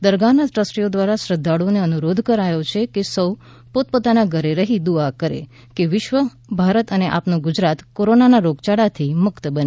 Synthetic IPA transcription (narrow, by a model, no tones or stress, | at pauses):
d̪əɾɡanaʈɾəsʈiod̪ʋaɾaʃɾəd̪ʱːaɽoneənuɾod̪ʱkəɾajot͡ʃʰekesəw | pot̪̚pot̪anaɡʱəɾeɾəɦid̪uakəɾḛ | keʋɪʃʋə | bʱaɾət̪əneʔa̰pnoɡʊd͡ʒɾat̪koɾonanaɾoɡt͡ʃaɽat̪ʰimʊkt̪bəne